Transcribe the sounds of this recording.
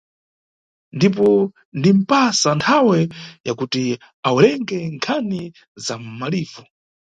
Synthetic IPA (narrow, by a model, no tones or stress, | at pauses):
ndipɔ | ndim̩pasantʰawɛjakuti | aulɛŋɡɛŋkʰani | zam̩maliːvɔ